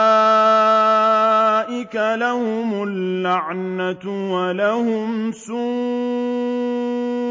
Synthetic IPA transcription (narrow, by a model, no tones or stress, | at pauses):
a | ʔɪkalahʊmʊlːaʕnat̪walahʊmsuː